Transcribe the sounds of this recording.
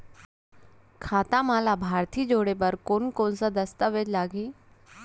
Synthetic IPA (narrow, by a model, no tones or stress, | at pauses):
kʰaːt̪amalabʱaːɾt̪ʰiːd͡ʒoɽebəɾkoːnkonsad̪əst̪aʋed͡ʒlaːɡiː